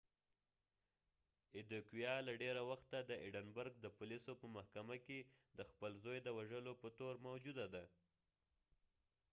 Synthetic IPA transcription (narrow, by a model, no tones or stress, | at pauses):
ɪd̪okwijɑlaɖeɾawaxt̪ad̪əʔiɖənbəɾɡ̚d̪əpʊlisopəmahkamaked̪əxpəlzojd̪əwaʒəlopət̪oɾmawd͡ʒud̪ad̪a